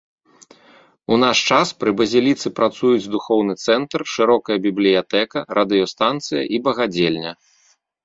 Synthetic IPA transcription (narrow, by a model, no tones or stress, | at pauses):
unaʂt͡ʂaspɾɨbɐzʲilʲit̪sɨpɾat̪sujud͡zʲd̪uxɔwnɨt̪sɛnt̪rʂɨɾɔkɐjɐbʲiblʲijat̪ɛkɐɾʔɐd̪ɨjɔst̪ant̪sɨjɐ̰ʔibɐɣad͡zʲelʲnʲɐ